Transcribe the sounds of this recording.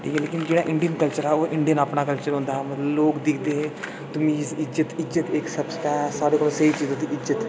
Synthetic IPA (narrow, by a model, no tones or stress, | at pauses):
ʈʰḭːkɛleːkɪnd͡ʒeːɽaːʔɪɳɖijənkəlt͡ʃəɾɛːoːʔɪɳɖijənaːpnaːkəlt͡ʃəɾɦʊ̃nd̪aːɦɛːmət̪ləbloːkd̪ɪkʰd̪eːɦɛ | t̪ʊmiːzɪzət̪ɪzət̪eksəbsʈaːsaːɾeːkoːlõːsəiːt͡ʃiːzãːd̪iʔɪət̪